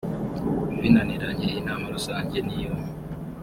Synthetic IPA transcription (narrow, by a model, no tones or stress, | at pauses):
mbinaniɾaɲenamaɾosaːɲɟenijo